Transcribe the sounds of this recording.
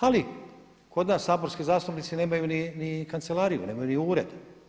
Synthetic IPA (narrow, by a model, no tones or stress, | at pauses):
ali | kʰo̞d̪naːsːaːbo̞ɾskizaːst̪upnit̪sine̞ːmajuninikant̪se̞lˠaːɾijṵne̞ːmajuniuːɾḛd̪